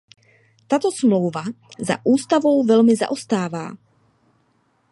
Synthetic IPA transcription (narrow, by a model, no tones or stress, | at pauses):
t̪aːt̪ɔsmlɔʊvaza̰ʔuːst̪avɔʊvɛlmɪza̰ʔɔst̪aːva̰ː